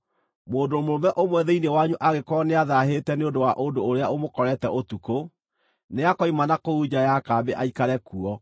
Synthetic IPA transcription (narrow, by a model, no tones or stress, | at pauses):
moːndomoɾomɛʔomwɛðɛinewaɲuʔaɣekɔneaðaɦetɛneondowaʔondoːɾeaomokɔɾɛtɛʔotuko | neakɔimanakoud͡ʑajakaːbeʔaikaɾɛkuɔ